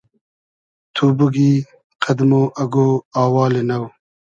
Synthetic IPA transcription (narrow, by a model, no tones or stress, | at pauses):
t̪ʰubuɡiː | qʰɐd̪moʔɐɡoːɑːwɑːlenɐw